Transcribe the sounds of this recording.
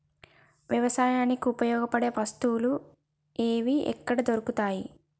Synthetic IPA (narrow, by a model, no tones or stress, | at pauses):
ʋjɐʋɐsaːjaːnikiupɐjɔːɡɐpɐɽe̞ːʋɐst̪uwlu | eːʋiɛ̰kːɐɽɐd̪oɾukut̪aːji